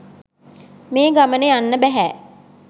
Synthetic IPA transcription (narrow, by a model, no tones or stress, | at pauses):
meːɡamənejanːəbæɦæː